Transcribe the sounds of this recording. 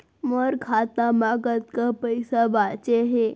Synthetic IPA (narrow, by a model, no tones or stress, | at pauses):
məɾkʰat̪amaɡət̪kapəjsabat͡ʃeɦe